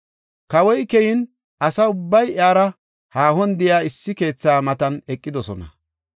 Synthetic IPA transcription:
kɐwɔjkɛjɪn | ʔɐsɐʊbːɐjaːɾɐ | haːhɔnd̪ɪjaːɪsːɪke̞ːt͡sːaːmɐt̪ɐnɛkʼːɪd̪ɔsɔnɐ̰

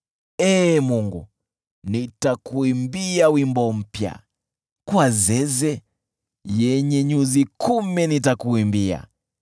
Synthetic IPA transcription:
ɛmuŋɡṵ | nitakuimbiawimbɔm̩pja̰ | kwazɛzɛ | jɛɲɛɲuzikʰumɛnitakuimbia̰

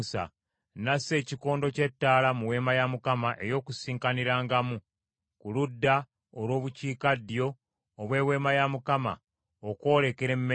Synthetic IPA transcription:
sa̰ | nase̞ːciko̞ːndo̞ce̞tːaːlamuwe̞ːmajamukamaʔe̞jo̞ːkusiːŋkaniɾaːŋɡamu | kuludːa | olwo̞ːβuciːkadːjo̞ː | βwe̞ːwe̞ːmajamukama̰ | oko̞ːle̞ke̞ɾe̞mm

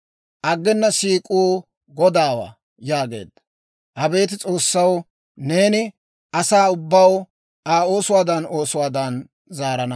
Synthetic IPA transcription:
ʔɐɡːɛnːɐsiːkʼuː | ɡɔd̪aːwa̰ː | jaːɡe̞̰ːd̪ɐ | ʔɐbe̞ːt̪̬ɪt͡sʼo̞ːsːɐw | ne̞ːnɪ | ɐsaːʊbːɐw | aːo̞ːsʊwaːd̪ɐno̞ːsʊwaːd̪ɐn | zaːɾɐnɐ

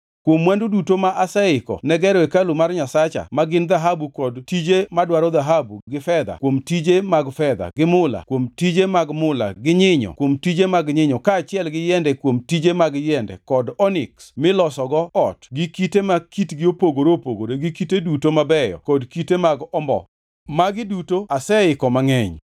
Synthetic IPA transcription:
kwomwandudutomaʔasɛɪkɔ̰nɛɡɛɾɔɛkalumarɲasat͡ʃa̰maɡɪnd̪aɦabukɔdtid͡ʒemadwaɾɔd̪aɦabṵɡɪfɛd̪a̰kwomtid͡ʒemaɡfɛd̪a̰ɡɪmʊla̰kwomtid͡ʒemaɡmʊla̰ɡɪɲɪɲɔ̰kwomtid͡ʒemaɡɲɪɲɔkaːt͡ʃɪɛlɡɪjɛndɛkwomtid͡ʒemaɡjɛndɛ̰kɔdɔnɪ̰ksmɪlɔsɔɡɔɔtɡɪkitemakitɡɪopoɡoɾopoɡoɾeɡɪkitedutomabɛjɔ̰kɔdkitemaɡɔmbɔ̰ | maɡɪdutoasɛɪkɔmaŋɛɲ

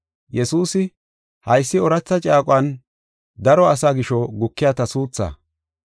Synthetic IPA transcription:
jɛsuːsɪ | hɐjsːɪɔɾɐt͡sːɐt͡ʃʼaːkʼwɐn | d̪ɐɾɔɐsaːɡɪʃɔɡʊkːɪjaːt̪ɐsuːt͡sːɐ̰

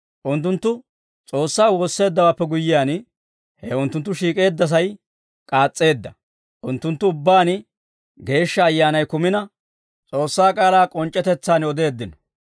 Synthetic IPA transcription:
ʔʊnt̪ːʊnt̪ːʊ | t͡sʼo̞ːsːaːwo̞ːsːe̞ːd̪ːɐwaːpːɛɡʊjːɪjaːn | hɛʊnt̪ːʊnt̪ːʊʃiːkʼe̞ːd̪ːɐs̬ɐj | kʼaːt͡sʼːe̞ːd̪ːɐ | ʔʊnt̪ːʊnt̪ːʊʊbːaːn | ɡe̞ːʃːɐːjːaːnɐjkʊmɪnɐ | t͡sʼo̞ːsːaːkʼaːlaːkʼɔnt͡ʃʼːɛt̪ɛt͡sːaːnɔd̪e̞ːd̪ːɪnɔ̥

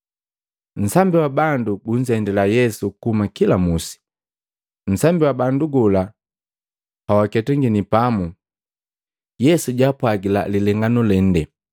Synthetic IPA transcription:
n̩sambiwabanduɡuɲ̩zɛndɛlajɛsukuhumakilamusi̥ | n̩sambiwabanduɡɔla | pawakɛtɛŋɡinipamu | jɛsuɟapwaɡila̰lilɛŋɡanulɛn̩dɛ

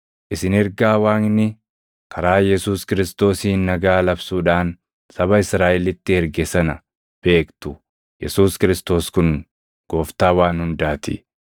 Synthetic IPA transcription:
ʔɪsɪnɪɾɡaːwaːŋnɪ | kʰɐɾaːjɛsuːskɪɾɪst̪o̞ːsiːnnːɐɡaːlɐbsuːᶑaːn | sɐbɐɪsɾaːʔɛlɪt̪ːɪhɛɾɡɛsɐnɐ | b̥e̞ːkt̪ʊ | jɛ̰suːskɪɾɪst̪o̞ːskʊn | ɡ̥o̞ːft̪aːwaːnhʊnd̪aːt̪ɪ̰

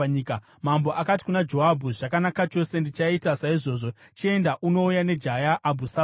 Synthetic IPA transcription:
ka | mambo̞ʔakat̬i̥kunad͡ʒo̞ɦabʱuʐ̥akanakat͡ʃo̞se̞ndit͡ʃaitasaiʐo̞ːʐo̞t͡ʃie̞ndaʔuno̞ujane̞d͡ʒajaʔːbʱusa

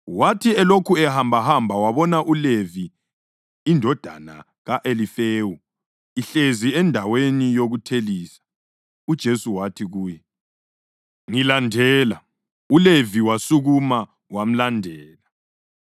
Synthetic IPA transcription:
watʰiɛlokʰuɛhambʱahambʱawaβɔnaʔuleviː | ndʱɔd̥ʱa̰na̰ | ɣaʔelifeːwu | iɬeziɛndʱawenijoɣutʰeliːsḁ | ud̥ʒ̥ʱesuwatʰiɣuːjɛ | ŋilandʱɛːla | uleviwasuɣuma | wam̩landʱɛːla

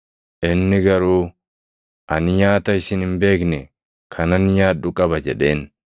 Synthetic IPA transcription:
ʔɪnːɪɡɐɾuː | ʔɐnɪjaːt̪ɐɪsɪnɪmbe̞ːknɛ | kʰɐnɐnɪjaːᶑʊkʼɐbɐd͡ʒɛᶑe̞ːn

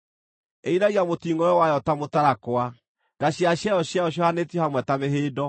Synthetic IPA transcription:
einaɣiamotiŋɔjɔwajɔtamotaɾakwa | d̥aɕjaɕjajɔɕjajɔɕjɔhanetiɔhamwɛtameɦeːdɔ

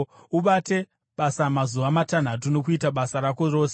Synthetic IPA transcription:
uɓate̞ | ɓasamazuʋamatan̤atuno̞kuitaɓasaɾako̞ro̞ːse

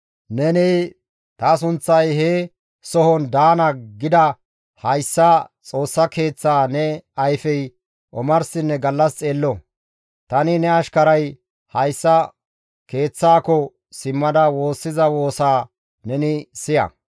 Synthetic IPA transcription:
nɛnɛ | t̪ɐs̬ʊnt͡sːɐjɦɛ | sɔhɔnd̪aːnɐɡɪd̪ɐ | hɐjsːɐt͡sʼo̞ːsːɐke̞ːt͡sːaːnɛɐjfɛj | ʔɔmɐɾsɪnːɛɡɐlːɐst͡sʼe̞ːlːɔ | t̪ɐnɪnɛɐʃkɐɾɐj | hɐjsːɐ | ke̞ːt͡sːaːkɔ | sɪmːɐd̪ɐwo̞ːsːɪzɐwo̞ːsaː | nɛnɪsɪjɐ̰

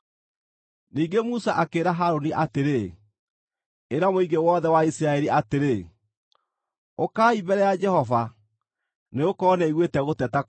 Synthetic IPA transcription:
niːɡemusaʔakeːɾaɦaɾoniʔateɾe | eɾamoiɣɡewɔːðɛwaisiɾaɛɾiʔateɾe | okaːibɛɾɛjad͡ʒɛhɔva | neokɔnɛiɣwetɛɣotɛtak

